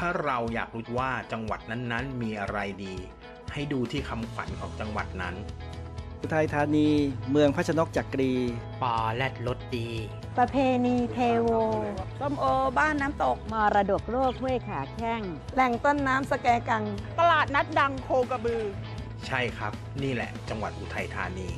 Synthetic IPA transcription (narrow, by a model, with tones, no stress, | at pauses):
t̪ʰaː˥˩ɾa˧wja̰ː˨˩k̚ɾu˦˥t̪̚waː˥˩t͡ɕa˧ŋwa̰˨˩t̪̚na˦˥nːa˦˥nmiː˧ʔa˧ɾa˧jdiː˧ | ha˥˩jduː˧t̪ʰiː˥˩kʰa˧mkʰwa̰˩˦nkʰɔ̰ː˩˦ŋt͡ɕa˧ŋwa̰˨˩t̪̚na˦˥nʰ | u˧˩t̪ʰaː˧jt̪ʰaː˧niː˧mɯ˧əŋpʰa˦˥t͡ɕʰa˧no˦˥k̚t͡ɕa˨˩kːɾiː˧pɔː˨˩lɛ˦˥˩t̪̚lo˦˥t̪̚diː˧ | pɾa˧pʰeː˧niː˧t̪ʰeː˧woː˧t̪o˥˩˨mʔoː˧baː˥˩nːaː˦˥mt̪o˨˩k̚mɔː˧ɾa˧do˨˩k̚ɾoː˥˩k̚hu˥˩əjkʰaː˨˩˦kʰɛ˥˩ŋlɛ˨˩ŋt̪o˥˩nːaː˦˥msa˧kɛː˧ka˧ŋt̪a˧laː˨˩t̪̚na˦˥t̪̚da˧ŋkʰoː˧ka˧bɯː˧ | t͡ɕʰa˥˩jkʰɾa˦˥p̚niː˥˩lɛ̰˨˩ʔt͡ɕa˧ŋwa˨˩t̪̚ʔuː˧t̪ʰa˧jt̪ʰa̰ː˧niː˧